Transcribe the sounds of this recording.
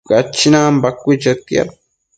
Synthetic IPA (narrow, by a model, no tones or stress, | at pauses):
ɡat͡ʃːinambakʷit͡ʃat̪ja̰